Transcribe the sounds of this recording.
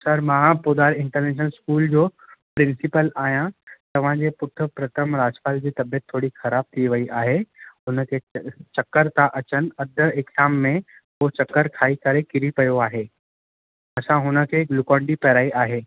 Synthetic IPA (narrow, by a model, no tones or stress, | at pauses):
sɐɾmãːpʊd̪aːɾɪ̃ɳʈəɾneːʃ̬nəlskuːld͡ʑoː | pɾɪ̃nsɪpəlaːɦijãt̪ɐʋ̤ãd͡ʑeːpʊt̪ʰə̆pɾɐt̪ʰəmɾaːd͡ʑpaːld͡ʑiːt̪ɐbijət̪ʰːoːɽixɐɾaːb̚t̪ʰiʋɐiʔaːɦeɦʊnə̆kʰeːt͡ɕɐkːəɾt̪aʔɐt͡ɕən̆ɐd̪ʱəekzaːmːẽ | ɦot͡ɕɐkːəɾkʰaːikɐɾekɪɾipɐjoaːɦeː | ɐsãɦʊnə̆kʰeːɡlʊkɔ̃ːɳɖipɛɾaːiʔaːɦeː